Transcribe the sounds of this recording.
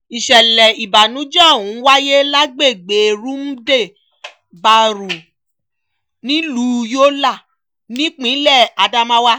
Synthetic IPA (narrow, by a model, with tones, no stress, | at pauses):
i˨ʃɛ˨lɛ˨i˨ba˨nũ˨˦d͡ʒã˦˨wũ˨˦wa˦je˦la˦ɡ͡be˦˨ɡ͡be˨ɾu˦mu˦de˦˨ | ba˧ɾu˨ | nĩ˨˦lu˦jo˦la˦˨ | nĩ˨˦k͡pĩ˨˦lɛ˦˨a˧da˦mã˦wa˦